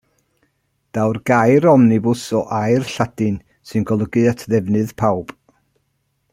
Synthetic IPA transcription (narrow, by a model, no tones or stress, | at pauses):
d̥awrɡ̥ajɾɔmnɪbʊsɔʔajrɬadɨn | sɨnɡɔlˠəɡɨatʰðɛvnɨðpʰawb̥